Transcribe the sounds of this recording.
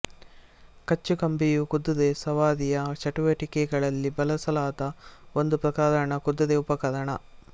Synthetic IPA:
kɐt͡ʃːukɐmbijukud̪ːud̪esɐʋaːd̪ijɐt͡ʃɐʈuʋɐʈikɛɡɐɭɐlːibɐlɐsɐlaːt̪ɐo̞nd̪upɾɐkaːd̪ɐɳɐkud̪ːɐd̪eupɐkɐd̪ɐɳɐ

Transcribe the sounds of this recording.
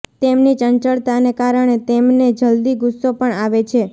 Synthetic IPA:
t̪emnit͡ʃənt͡ʃəɭt̪anekaɾəɽ̃et̪emned͡ʒəld̪iɡʊsopəɳaʋet͡ʃʰe

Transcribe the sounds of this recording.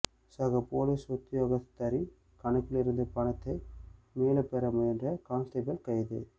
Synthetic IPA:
sɐɣɐpoːlisɔt̪ːɪjoːɣɐt̪ːɐɾi | kɐɳɐkːɪlɪɾɯnd̪ɐpɐɳɐt̪ːɐɪmeːlɐpːɛɾɐmʊjɐndrɐkaːnst̪ɐbɣɐlkɐjðɯ̰

